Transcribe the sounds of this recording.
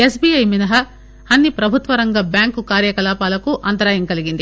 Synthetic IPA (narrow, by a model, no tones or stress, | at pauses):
esbiɐjminɐɦɐ | ɐnːipɾɐbʱut̪ʋɐɾɐŋɡɐbjaːŋkukaːɾjɐkɐlaːpaːlɐkuʔɐnt̪ɐɾaːjɐŋkɐliɡind̪i